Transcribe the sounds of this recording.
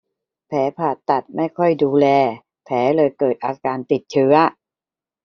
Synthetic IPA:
pʰɛː˩˦pʰaː˨˩t̪ːa˨˩t̪̚ma˥˩jkʰɔ˥˩jduː˧lɛː˧ | pʰɛː˩˦lɤː˧jkɤː˨˩t̪̚ʔaː˧kaː˧nt̪i˨˩t̪̚t͡ɕʰɯ˦˥ɐ

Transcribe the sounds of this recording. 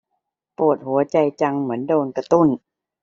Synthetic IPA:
pu˨˩ət̪̚hu˩˦ɐt͡ɕa˧jt͡ɕa˧ŋmɯ˩˦əndoː˧nka˧t̪u˥˩n

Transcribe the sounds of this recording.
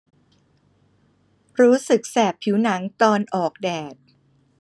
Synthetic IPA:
ɾuː˦˥sɯ˨˩k̚sɛː˨˩pʰi˩˦wna˩˦ŋt̪ɔː˧nʔɔː˨˩k̚dɛː˨˩t̪̚

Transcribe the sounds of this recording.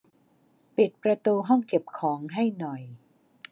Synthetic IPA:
pi˨˩t̪̚pɾa˧t̪uː˧ɦɔ˥˩ŋke˨˩p̚kʰɔː˩˦ŋɦa˥˩jnɔ˨˩j

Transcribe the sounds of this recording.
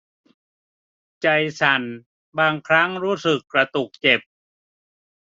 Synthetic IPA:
t͡ɕa˧jsa˨˩n | baː˧ŋkʰɾa˦˥˩ŋɾuː˦˥sɯ˨˩kːɾa˧t̪u˨˩k̚t͡ɕe˨˩p̚

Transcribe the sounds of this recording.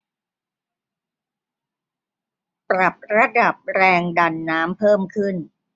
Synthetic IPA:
pɾa˨˩p̚ɾa˧da˨˩p̚ɾɛː˧ŋda˧nːaː˦˥mpʰɤː˥˩mkʰɯ˥˩n

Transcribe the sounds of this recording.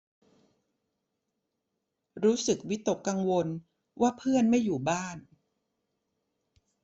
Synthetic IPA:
ɾuː˦˥sɯ˨˩k̚wi˦˥t̪ːo˨˩kːa˧ŋwo˧n | waː˥˩pʰɯ˥˩ənma˥˩jːuː˨˩baː˥˩n

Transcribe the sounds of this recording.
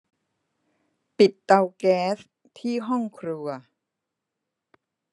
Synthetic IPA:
pi˨˩t̪ːa˧wkɛː˦˥s | t̪ʰiː˥˩ɦɔ˥˩ŋkʰɾu˧ɐ

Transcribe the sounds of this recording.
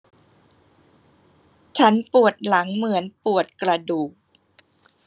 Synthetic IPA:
t͡ɕʰa˦˥npu˨˩ət̪̚la˩˦ŋmɯ˩˦ənpu˨˩ət̪̚kɾa˧duː˨˩k̚

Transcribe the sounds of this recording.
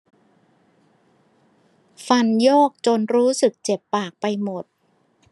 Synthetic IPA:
fa˧njɔː˥˩k̚t͡ɕo˧nɾuː˦˥sɯ˨˩k̚t͡ɕe˨˩pːaː˨˩k̚pa˧jmo˨˩t̪̚

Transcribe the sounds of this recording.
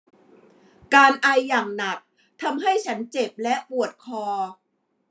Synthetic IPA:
kaː˧nʔa˧jːaː˨˩ŋna˨˩k̚ | t̪ʰa˧mɦa˥˩jt͡ɕʰa˦˥nt͡ɕe˨˩p̚lɛ˦˥ʔpu˨˩ət̪̚kʰɔː˧

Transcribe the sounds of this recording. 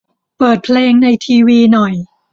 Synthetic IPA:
pɤː˨˩t̪̚pʰleː˧ŋna˧jt̪ʰiː˧wiː˧nɔ˨˩j

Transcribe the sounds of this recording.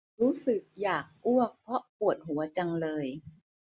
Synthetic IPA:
ɾuː˦˥sɯ˨˩k̚jaː˨˩k̚ʔu˥˩ək̚pʰɔ˦˥ʔpu˨˩ət̪̚ɦu˨˩˦ɐt͡ɕa˧ŋlɤː˧j

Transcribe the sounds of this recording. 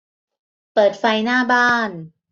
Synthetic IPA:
pɤː˨˩t̪̚fa˧jnaː˥˩baː˥˩n

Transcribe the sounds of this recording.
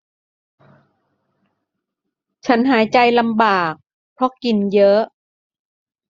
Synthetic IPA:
t͡ɕʰa˦˥nɦaː˩˦jt͡ɕa˧jla˧mbaː˨˩k̚ | pʰɾɔ˧˥ki˨˩njɤ˦˥ʔ

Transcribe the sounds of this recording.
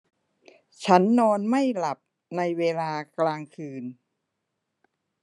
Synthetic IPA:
t͡ɕʰa˦˥nːɔː˧nma˥˩jla˨˩p̚ | na˧jweː˧laː˧klaː˧ŋkʰɯː˧n

